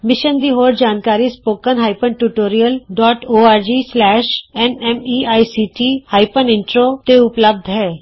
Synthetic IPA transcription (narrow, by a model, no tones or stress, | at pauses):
mɪʃənd̪iːɦoːɾd͡ʒaːnkaːɾiːspoːkənɦaːɪpənʈuːʈoːɾijəlɖɔːʈoːaːɾd͡ʒiːslɛːʃɛnɛmiːaːisiːʈiːhaːɪpənɪ̃ɳʈɾoːt̪eʊpləb̚d̪ʱɦɛː